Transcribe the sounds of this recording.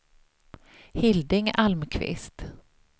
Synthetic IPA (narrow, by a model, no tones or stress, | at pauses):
hɪld̪ɪŋalmkʰvɪ̰st̪